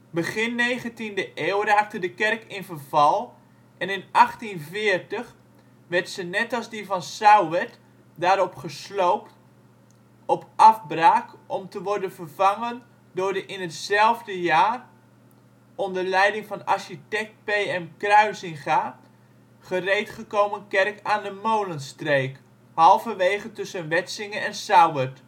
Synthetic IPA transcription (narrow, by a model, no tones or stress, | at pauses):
bəχɪnːejχəntindəʔeːwraːk̚tədəkɛrkɪnvərvɑlˠ | ʔɛnɪnɑχtinvɪərtəχ | ʋɛrtsənɛtɑlˠzdivɑnsawʋɛt | daːɾɔpχəslowpt | ɔpɑfbraːkʔɔmtəʋɔɹdənvərv̥aŋən | dʊːɹdəʔɪnətsɛlˠvdəjaːr | ɔndərlɛjdɪŋvɑnɑ̰ɹʃitɛk̚t̚pejɛmkrœɥsɪŋχaː | χərejtχəkowmənkɛrkaːndəmowlənstrejk | hɑlˠvəʋejχəntɵsənʋɛtsɪŋənɛnsawət